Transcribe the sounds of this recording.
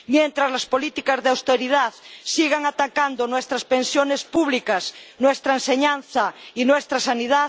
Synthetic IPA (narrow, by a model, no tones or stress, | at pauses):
mjẽnt̪ɾazlaspolit̪ikazðeawst̪eɾiðaðsiɣaŋat̪akand̪onwest̪ɾaspẽnsjonespuβlikasnwest̪ɾaenseɲãn̟θainwest̪ɾasaniða